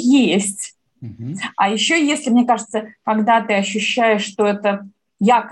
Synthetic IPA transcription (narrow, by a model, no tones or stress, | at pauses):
jesʲtʲ | ɐjɪɕːojesʲlʲɪmnʲekaʐɨt̪səkɐɡd̪at̪ɨɐɕːʉɕːæjɪʂːt̪oɛt̪ə | jak